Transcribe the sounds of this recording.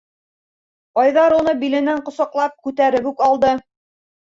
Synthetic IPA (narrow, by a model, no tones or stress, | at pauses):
qɑjðɑɾunɤbilɘ̆næɴqŏsɑqlˠɑp̚kʉt̪æɾɘβʉkɑlˠd̪ɤ